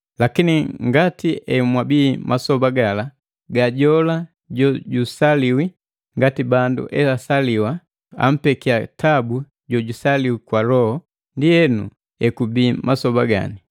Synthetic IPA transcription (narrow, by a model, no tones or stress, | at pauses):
lakiniŋɡatiʔɛmwabiːmʔasɔbaɡala | ɡaɟɔla | ɟɔɟusaliwi | ŋɡatibandṵʔɛasaliwa | a̰m̩pɛkiatʰabu | ɟɔɟusaliwikwalɔhɔ | ndijɛnṵ | ɛkubiːmasɔbaɡa̰ni